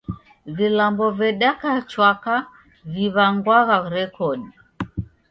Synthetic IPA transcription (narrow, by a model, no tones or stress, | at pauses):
vilambɔvɛɗakat͡ʃwaka | viβaŋɡwaɣaɾɛkɔɗi